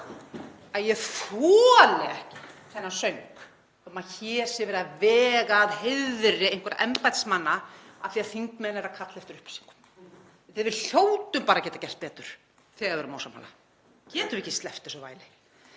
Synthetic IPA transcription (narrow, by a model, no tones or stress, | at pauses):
aðjɛθɔːlɛɛhkɪθɛnːasœɥŋk | ɛmaçʰɛːsɪvɛːɾðavɛːɣaːðhɪððɾɪejhŋ̥kvaɾaʔɛmpajt̪smanːaaθiaðθiŋkmɛːnɛɾakʰat̪lɪɛft̪ʏɾʏhpḁsi̥ŋkʏ̥m | θɪðvɪðɬjowt̪ʏmpaːɾacɛːt̪acɛl̥t̪̚pɛːt̪ʏɾ̥ | θɛɣaðɛɾʏmaːwsamha̰la̰ | cɛːt̪ʏɛcːɪst̪lɛft̪ɛsɔva̰ːjlɪ